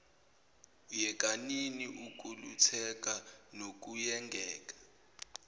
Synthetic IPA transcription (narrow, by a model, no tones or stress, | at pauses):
ujɛk̬ʼaniniʔuk̬ʼulut͡sʰɛk̬ʼanok̬ujɛŋɡʱɛːk̬ʼḁ